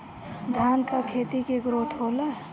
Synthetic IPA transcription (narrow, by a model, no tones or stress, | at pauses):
d̪ʱaːnkakʰeːt̪ikeɡɾot̪ʰɦola